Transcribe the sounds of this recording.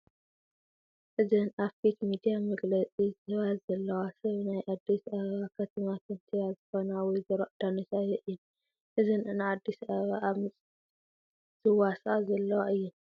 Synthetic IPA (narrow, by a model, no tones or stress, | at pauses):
ʔɨzɨnʔaβfikmid̪ijamɐɡlɐt͡sʼizɨhɨβazɐlːɐwasɐβnajʔad̪ːisaββakʰɐt̪ʰɐmat̪ʰɐnt̪ʰijazɨxo̞nawɔjzɨɾoʔd̪̥anɨsajɛʔɨjːɛn | ʔɨzɨnnɨʕad̪ːisaββaʔamɨt͡sʼ | z̥ɨwasʼazɐlːɐwaʔɨjːu